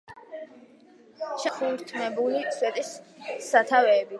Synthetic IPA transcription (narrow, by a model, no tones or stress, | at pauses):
ʃɛχuɾt̪ʰmɛbuliswɛt̪ʼisːat̪ʰavɛːbi